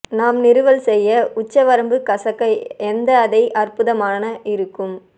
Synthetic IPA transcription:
naːmnɪɾɯʋɐlsɛjːɐʊt͡ʃːɐʋɐɾɐmbɯkɐsɐkːɐɪɛnd̪ɐːðɐɪʔɐrpɯðɐmaːnɐʔɪɾɯkːɯm

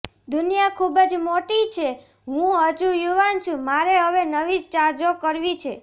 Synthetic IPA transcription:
d̪ʱʊnijakʰubəd͡ʒmoʈit͡ʃʰe | ɦũəd͡ʒũjuʋant͡ʃʰũmaɾeɦəʋenəʋid͡ʒt͡ʃad͡ʒokəɾʋit͡ʃʰe

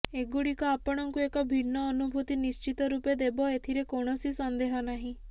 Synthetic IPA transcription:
eɡuɽikɔapɔɽ̃ɔŋkuekɔbʱiɽnɔːnubʱut̪inist͡ʃit̪ɔɾuped̪ebɔet̪ʰiɾekoɽ̃ɔsisɔnd̪eɦɔnaɦĩ

